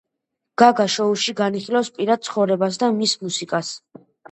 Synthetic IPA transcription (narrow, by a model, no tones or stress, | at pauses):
ɡ̥aɡaʃɔuʃiɡaniχilawspʼiɾad̪̚t̪sʰχɔvɾɛbas̬d̪amismusikʼas